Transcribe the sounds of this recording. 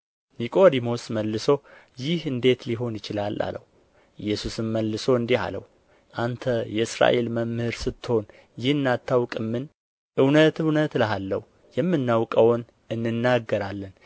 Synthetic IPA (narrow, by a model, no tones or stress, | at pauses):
nikʼo̞d̪imo̞sməlːɨso̞ | jɪhɨnd̪e̞t̪liɦo̞njɪt͡ʃɪlalːa̰lə̰w | ɨjːɛsusɨmːəlːɨso̞ɨnd̪ia̰lə̰w | ʔant̪ʰəjɛɨsɾa̰ʔe̞lməmɨhɨɾsɨt̪ːɨho̞n | jɪhɨnːat̪ʰːawkʼɨmːɨn | ʔɨwnət̪ɨwnət̪ləɦalːə̰hu | jɛmːɨnːawkʼəwn | ɨnːɨnːaɡːəɾalːən